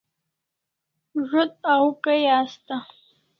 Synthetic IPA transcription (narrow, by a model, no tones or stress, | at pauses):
ʒʷʊtʼawkʼajaːstʰʼa